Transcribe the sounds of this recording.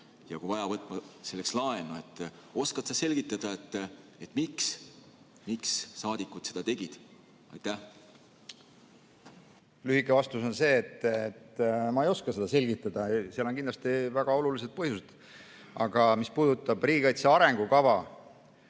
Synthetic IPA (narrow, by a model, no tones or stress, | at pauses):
jɑkuvɑjɑvɤt̪ːˑmɑse̞lːekslɑe̞nuet̪ː | o̞skɑt̪sɑse̞lʲɡ̥it̪ːˑɑd̪̥ɑet̪ːet̪ːˑmiks | miksːɑːd̪̥ikːˑut̪se̞d̪ɑt̪e̞ɡ̥id̪̥ | ɑ̰jt̪ːˑæh | lyhikːˑevɑst̪uso̞nse̞ːt̪ːet̪ːmɑejo̞skɑse̞d̪̥ɑse̞lʲɡit̪ːˑɑd̪̥ɑseɑloŋkind̪lɑst̪ivæɡ̥ɑo̞lulis̬ed̪̚pɤɦjused̪̥ | ɑɡ̥ɑmispuːd̪ut̪ːˑɑb̥riːɡikɑjt̪seɑɾe̞ŋɡ̥ukɑvɑ